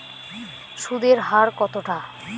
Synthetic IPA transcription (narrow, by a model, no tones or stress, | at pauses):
ʃud̪eɾɦaɾkɔt̪oʈa